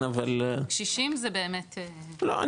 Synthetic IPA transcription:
ʔavalʃiʃimzebeːmet̪elo̰ʔa̰

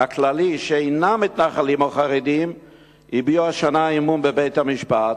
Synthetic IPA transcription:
aklaliʃeeɪnamit̪naχalimoχaʁɛd̪im | ibjuaʃanaimunbəbeɪt̪hamiʃpat

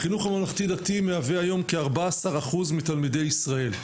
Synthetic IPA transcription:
χinuχamalaχt̪idat̪imeaveajo̞mkeaʁbaːsaʁaχuzmit̪almide̞jisʁae̞l

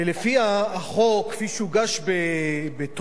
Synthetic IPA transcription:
elefiaːχokːfiʃeuɡaʃbebet̪

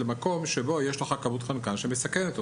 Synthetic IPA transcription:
lemako̞mʃebo̞jeʃleχakamut̪χankanʃemesakenet̪o

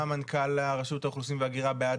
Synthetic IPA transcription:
amankʰalhaʁaʃutauχlusimveaɡiʁabejad̪

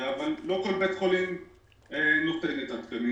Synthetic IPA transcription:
avalːo̞kolbet̪kolim | enot̪enit̪atbemi

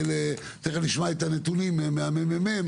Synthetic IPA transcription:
le | t͡seχeliʃmaet̪anet̪unimemeamememem

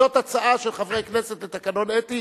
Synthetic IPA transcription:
o̞t̪at͡saʔaʃelχavʁejkneset̪let̪akano̞net̪i

